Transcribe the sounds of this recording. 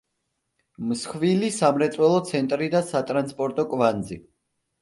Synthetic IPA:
msχvilisamɾɛt̪sʼwɛlˠɔt̪sʰɛnt̪ʼɾid̪asat̪ʼɾanspʼɔɾt̪ʼɔkʼvanzi

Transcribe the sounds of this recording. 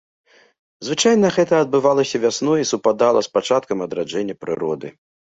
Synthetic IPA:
zvɨt͡ʂajnɐɣɛt̪ɐɐd̪̚bɨvalˠɐsʲɐvʲasnɔisupad̪alˠɐspat͡ʂat̪̚kɐmɐd̪ɾad͡ʐɛnʲːɐpɾɨ̰ɾɔd̪ɨ̰

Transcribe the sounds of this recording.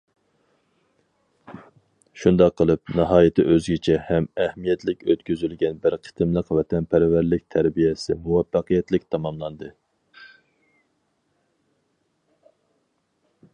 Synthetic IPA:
ʃund̪ɑqʰːəlˠɨp̚nɨɦɑːjit̪ʰɪʔøzɡʲɪt͡ʃʰɛhɛmɛhmijɛt̪ʰlɪkʲøt̪kʲyzylɡʲɛnbɨɾqʰə̥t̪ʰɨmlˠəqvɛt̪ʰɛnpʰæɾvæɾlɪk̚ʲt̪ʰæɾbijɛsɪmuwɑfːɑqʰəjɛt̪lɪkʲt̪ʰɑmɑmlˠɑnd̪ɨ

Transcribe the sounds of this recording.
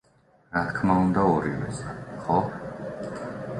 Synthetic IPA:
ɾat̪ʰkʰmaund̪aɔɾivɛ̰sʼχɔ

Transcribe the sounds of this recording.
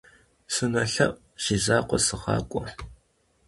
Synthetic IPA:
sɨnɐɬɐʔ | ʃizaːqʷɔsɨʁɑ̰ːkʷʼɔ

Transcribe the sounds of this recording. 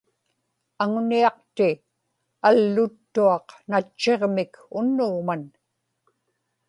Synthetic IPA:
aŋniɑq̚t̪ɪ | alːʊt̪ːuɑqnat͡ʃːe̞ʁmɪkʊnːʊɣman

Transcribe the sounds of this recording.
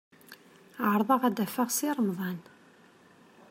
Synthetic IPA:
ʕɾˤðˤɑʁæd̪æfaʁsiɾˤəmðˤɑn

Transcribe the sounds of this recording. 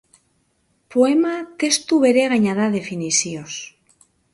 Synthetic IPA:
poemat̪e̞st̪uβeɾeɣaɲaðaðe̞finisios

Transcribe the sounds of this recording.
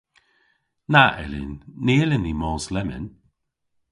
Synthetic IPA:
naʔɛ̰lɪ̰nːilɪnimɔːslɛmə̰n

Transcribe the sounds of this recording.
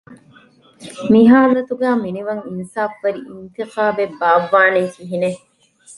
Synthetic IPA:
miɦaːlɐt̪uɡæːminiʋɐŋinsaːfʋɐɾiʔint̪iqaːbebaːʋːaːned͡ʒiɦine

